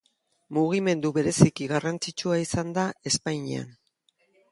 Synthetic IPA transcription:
muɣ̞ime̞nd̪uβe̞ɾe̞sikiɣarant͡sit͡ʃuaisand̪ae̞spajɲea̰n

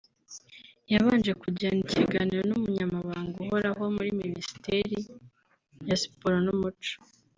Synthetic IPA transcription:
jaβaːnd͡ʒe̞kuɟaːniciɡaniɾo̞numuɲamaβaːŋɡuɦo̞ɾaɦo̞muɾiminisi̥teɾi | jasi̥poɾonumut͡ʃo̥

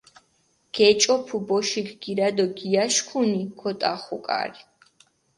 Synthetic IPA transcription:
ɡ̥ɛt͡ʃʼɔpʰubɔʃikɡ̥iɾad̪ɔɡiaʃkʰunikʰɔt̪ʼaχukʼa̰ɾi

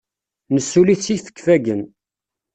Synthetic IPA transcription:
nəsːuliθt͡sːifə̥kːfæɡən

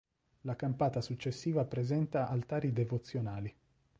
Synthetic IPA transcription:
lakampaːt̪asut͡ʃːesːiːvapɾezɛnt̪aʔalt̪aːɾid̪evot̪sːjonaːli

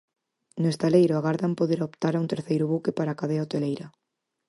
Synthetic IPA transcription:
nʊest̪alejɾʊaɣaɾðampoðeɾaopt̪aɾaunt̪eɾθejɾʊβukepaɾakaðeaot̪elejɾa

